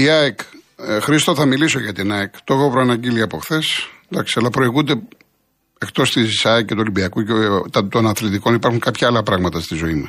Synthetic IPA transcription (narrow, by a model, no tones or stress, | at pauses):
iɐekxɾist̪oθɐmiliso̞ʝɐt̪inɐekt̪oxopɾoɐnɐɟiliɐpo̞xθe̞sd̪ɐksi̥ɐlɐpɾo̞iɣund̪e̞ | ekt̪o̞st̪izisɐicːe̞t̪uolibiɐkuet̪ɐt̪onɐθlit̪iko̞nipɐɾxuŋkɐpçɐɐlɐpɾɐɣmɐt̪ɐst̪izo̞imɐs